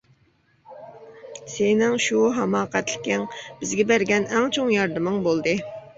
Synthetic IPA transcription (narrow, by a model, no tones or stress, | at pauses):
senɪŋʃuɦɑmɑːqɛt̪lɪ̥kʲɪŋb̥ɪzɡʲɛbæɾɡʲɛnɛŋt͡ʃʰoŋjɑɾd̪ɨmɨŋbolˠd̪ɨ